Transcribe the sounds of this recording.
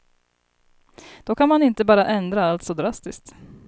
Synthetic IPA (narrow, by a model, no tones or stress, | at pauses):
d̪̥ɔkʰanmanɪnt̪əbɑːɾaʔɛnd̪ɾaalt̪sɔd̪ɾast̪ɪskt̪